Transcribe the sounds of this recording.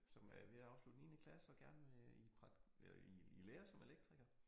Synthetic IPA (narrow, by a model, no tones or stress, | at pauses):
sɒ̽mʋe̝ɑ̈ʊslud̥niːnəkʰlæsɒ̽ɡ̥æɐnəʋeipʰʁɑ̥iileːɐsɒ̽me̝leɡ̥̚d̥ʁiɡ̥ɐ